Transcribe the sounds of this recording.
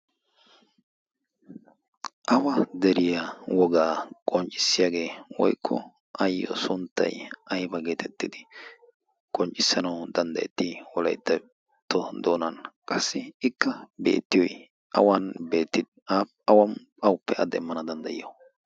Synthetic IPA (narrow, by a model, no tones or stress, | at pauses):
ʔɐwɐd̪ɛɾɪjawɔɡaːkʼɔnt͡ʃʼɪ̥sːɪjaːɡe̞ːwɔ̰jkʰːɔ̰ | ʔɐjːɔ̰sʊnt̪ːɐ̰jʔɐjbɐɡe̞ːt̪ʰɛt̪ːɪd̪ɪ | kʼɔnt͡ʃʼːɪsːɐnɐwd̪ɐnd̪ɐʔɛ̰t̪ːiwɔlɐ̰jt̪ːɐ | t̪ːɔd̪o̞ːnɐnkʼɐsːɪɪkːɐbe̞̰ːt̪ːɪjɔj | ʔɐ̰wɐnbe̞ːt̪ːɪd̪ | aː | ɐwɐm | ɐwʊpːɛʔɐd̪ɛmːɐnɐd̪ɐnd̪ɐjɪ̰jɔ